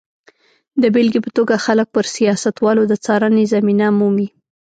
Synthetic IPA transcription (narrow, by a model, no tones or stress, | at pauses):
d̪əbɪlɡipət̪oɡaxalək̚pəɾsijɑsat̪wɑlod̪ət͡sɑɾanezaminamumi